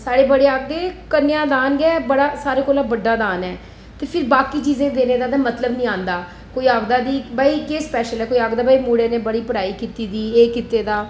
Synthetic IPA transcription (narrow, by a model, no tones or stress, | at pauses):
saːɾeːbəɽeːaːɡ̚d̪eːkənːjãːd̪aːnɡɛːbəɽaːsaːɾeːkoːlaːbəɖːaːd̪aːnɛː | t̪eːpʰɪɾbaːkiːt͡ʃiːzẽːd̪eːneːd̪aːd̪aːmət̪ləbnĩːãːnd̪aː | koːiːaːɡd̪aːd̪iːbaːikeːspɛːʃəlɛːkoːiaːɡd̪aːbaːiːmuːɽeːneːbəɽiːpəɽaːiːkiːt̪iːd̪iːeːkit̪eːd̪aː